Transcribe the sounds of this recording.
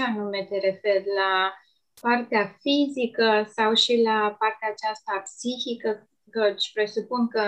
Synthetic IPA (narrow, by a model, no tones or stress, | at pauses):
anume̞t̪e̞ɾe̞fe̞rla | part̪eafizikəsawʃilapart̪eaːt͡ʃast̪apsiçikə | kət͡ʃpɾe̞supunkə